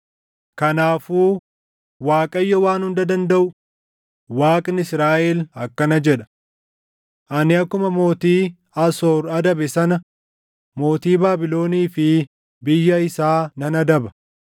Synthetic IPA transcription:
kɐnaːfuː | waːkʼɐjːɔwaːnhʊnd̪ɐd̪ɐnd̪ɐʔʊ | waːkʼnɪsɾaːʔɛlɐkːɐnɐd͡ʒɛᶑɐ̥ | ʔɐnɪɐkːʊmɐmo̞ːt̪iː | ɐsoːɾɐd̪ɐbɛsɐnɐ | mo̞ːt̪iːbaːbɪlo̞ːniːfɪ | bɪjːɐɪsaːnɐnɐd̪ɐbɐ̥

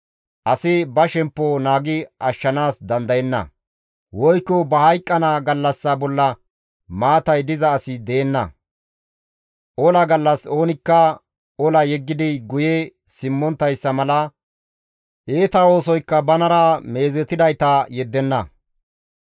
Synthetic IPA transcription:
ʔɐsɪbɐʃɛmpːɔnaːɡɪɐʃːɐnaːsd̪ɐnd̪ɐjɛnːɐ̰ | wɔjkːɔbɐhɐjkʼːɐnaɡɐlːɐsːɐbɔlːɐ | maːt̪ɐjd̪ɪzɐːsɪd̪eːnːɐ̰ | ʔɔlɐɡɐlːɐso̞ːnɪkːɐ | ɔlɐjɛɡːɪd̪ɪɡʊje | sɪmːɔnt̪ːɐjsːɐmɐlɐ | ʔeːt̪ɐo̞ːsɔjkːɐbɐnɐɾame̞ːzɛt̪ːɪd̪ɐjt̪ɐjɛd̪ːɛnːɐ̰

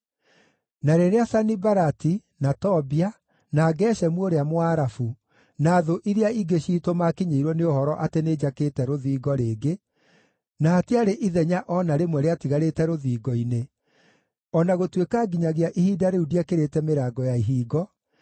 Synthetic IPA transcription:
naɾeɾeasanibaɾatinatɔbia | naːɡɛːɕɛmwoɾeamoaɾafu | naːðoʔiɾeaiɡeɕiːtomakiɲeiɾwɔneohɔɾɔʔatened͡ʑakeːtɛɾoðiːɡɔɾeːɡe | naːtiaɾeʔiðɛɲaʔɔnaɾemwɛɾeatiɣaɾetɛɾoðiːɡɔine | ɔnaɣotwekaːɡiɲaɣeaʔihiːdaɾeudiakeɾetɛmeɾaːɡɔjaiɦiːɡɔ

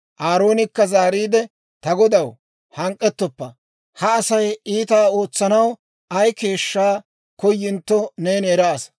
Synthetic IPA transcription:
ʔaːɾo̞ːnɪkːɐzaːɾiːd̪ɛ | t̪ɐɡɔd̪ɐw | hɐŋkʼːɛt̪ːɔpːɐ | hɐːsɐjiːt̪aːo̞ːt͡sːɐnɐw | ʔɐjke̞ːʃːaː | kɔjːɪnt̪ːɔneːneːɾɐːs

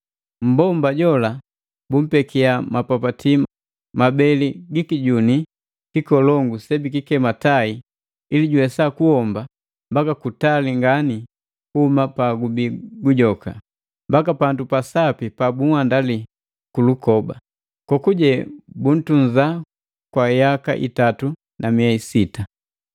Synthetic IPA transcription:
m̩bɔmbaɟɔla | bum̩pɛkiamapapatim | mabɛliɡikiɟuni | kikɔlɔŋɡusɛbikikɛmatai | iliɟuwɛsakuhɔmba | mbakakutaliŋɡani | kuhumapaɡubiɡuɟɔka̰ | mbakapandupasapipabuwandali | kulukɔba̰ | kɔkuɟɛbun̩tun̩za | kwajaka̰ʔḭtatu | namiaisita

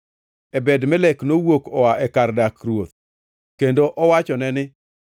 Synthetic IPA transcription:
ɛbɛdmɛlɛknowokɔwaʔɛkardakɾwot̪ | kendoʔɔwat͡ʃɔnɛnɪ

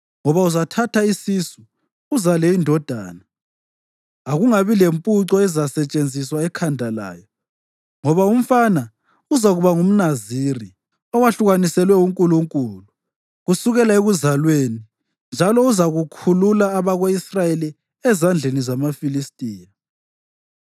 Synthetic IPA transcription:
ŋɔβauzatʰatʰaisisuː | zalɛindʱɔd̥ʱa̰ːna | aɣuŋaβilempʼuǀɔɛzasɛt͡ʃʼend͡zʱiswaɛkʰandʱala̰ːjɔ | ŋɔβaum̩fana | uzaɣuβaŋum̩naziri | ɔwaɬuɣanisɛlwɛuŋkʼuluŋkʼuːlu | ɣusuɣɛlaeɣuzalweni | nd͡ʒʱalɔuzaɣukʰululaːβaɣweisrajeli | ɛzand͡ɮʱenizamafilistʼiːja

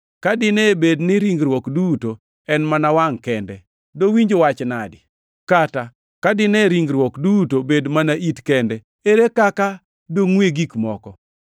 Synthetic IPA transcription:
kadɪnɛbednɪɾiŋɡɾwɔkduto | ɛnmanawaŋkɛndɛ | dowiɲd͡ʒowat͡ʃnadɪ | kata | kadɪnɛɾiŋɡɾwɔkdutobedmanaʔitkɛndɛ | eɾekaka | doŋweɡikmɔkɔ

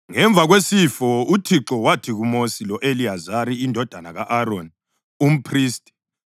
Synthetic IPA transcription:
ŋɛɱb̪vʱaɣwesifɔutʰiǁɔwatʰiɣumosilɔʔeliazaɾiːndʱɔd̥ʱanaɣaʔaɾon | um̩pʰriːstʼɛ̥

